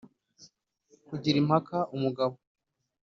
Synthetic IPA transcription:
kuɟiɾimhakaumuɡaβo

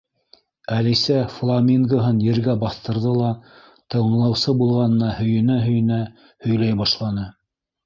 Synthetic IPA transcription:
ælisæflˠɑmʲiŋɡoɦɤnjɘ̆ɾɡæbɑθt̪ɤ̆ɾðɤlˠɑ | t̪ɤ̆wɤ̆ɴlˠɑwsɤbulˠʁɑnɤ̆nɑhɵ̆jɘ̆næɦɵ̆jɘ̆næ | hɵ̆jlæjbɑʃlˠɑnɤ

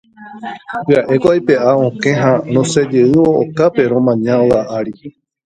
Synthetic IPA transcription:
pɨaʔe̞koajpeʔaõkẽɦãnõsed͡ʒeɨoʔo̰kape̞ɾõmãɲãoaʔaɾi

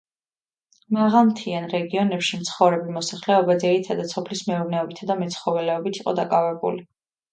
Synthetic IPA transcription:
maʁalˠmt̪ʰianɾɛɡiɔnɛpʃimt̪sʰχɔvɾɛbimɔsaχlɛɔbad̪ziɾit̪ʰad̪at̪sɔpʰlismɛuɾnɛɔbit̪ʰad̪amɛt̪sʰχɔvɛlɛɔbit̪ʰiqʼɔ̰d̪akʼavɛbṵli

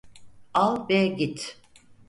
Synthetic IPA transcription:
alˠbɛɟit̪

